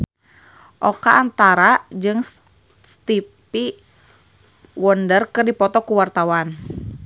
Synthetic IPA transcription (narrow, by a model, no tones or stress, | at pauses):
ʔɔkaːnt̪aɾad͡ʒɨŋ | st̪ipi | wɔndərkɨrdipɔt̪ɔkuwart̪awan